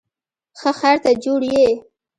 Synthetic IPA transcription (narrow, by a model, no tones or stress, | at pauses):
xəxaɾt̪ad͡ʒoɽje